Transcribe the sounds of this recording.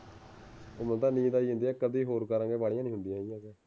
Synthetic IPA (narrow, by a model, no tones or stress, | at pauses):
omə̃nt̪ãːnĩːd̪aːiːɦʊ̃nd̪iːɛːkəd̪iːɦoːɾkəɾãːɡeːbaːɽijãnĩːɦʊ̃nd̪ijãːijãːɡɛː